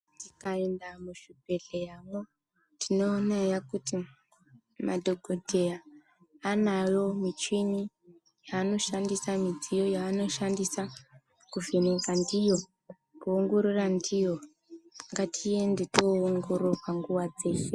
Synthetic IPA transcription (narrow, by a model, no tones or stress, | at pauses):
ntikaendamuʃubʱe̞ɮejamo | tino̞ːnajakuti | madʱoɡʱodʱe̞jaː | najo̞mit͡ʃini | jaːno̞ʃandisamid͡zijo̞jaːno̞ʃandisa | kuvineɡandijo̞ | kuːŋɡoɾurandijo | ŋɡatʰijendetoːŋɡoɾowaŋɡuwad͡ze̞se